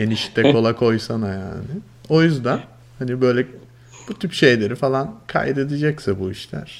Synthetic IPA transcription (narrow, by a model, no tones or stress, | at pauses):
jeniʃi̥t̪ʰːɛkʰo̞lˠakʰo̞jsanaja̰ːnɪ | o̞jyzd̪æn | hanibø̞jlʲɛ | b̥ut̪ʰypʃe̞jlʲe̞ɾifalˠankʰa̰jɛt̪ed̪id͡ʒɛcsabuiʃlʲæ̰ɾ̥